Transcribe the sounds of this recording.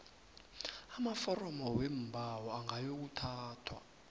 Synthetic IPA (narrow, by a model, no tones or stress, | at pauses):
amafɔrɔmɔwem̩bʱawɔaŋʱajok̬utʰaːtʰwa̰